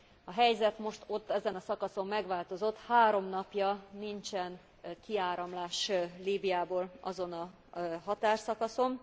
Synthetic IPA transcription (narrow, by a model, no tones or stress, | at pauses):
ɒɦɛjzɛt̪mo̞ʃt̪o̞t̪ːɛzɛnɒsɒkɒso̞mːɛɡʋaːlt̪o̞zot̪haːɾo̞mnɒpjɒnint͡ʃɛn | kiaːɾɒmlaːʃliːbijaːboːlɒzo̞nɒ | ɦɒt̪aːrsɒkɒso̞m